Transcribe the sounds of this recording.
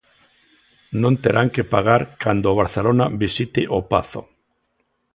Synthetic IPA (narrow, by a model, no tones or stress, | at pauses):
nõnt̪eɾaŋkepaɣ̞aɾkand̪oβ̞aɾθelonabisit̪ɪʔopaθo